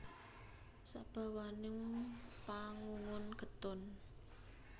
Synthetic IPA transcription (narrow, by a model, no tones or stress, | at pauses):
sa̰ʔb̥a̤wanɪŋpaŋuŋʊnɡə̤t̪ʊn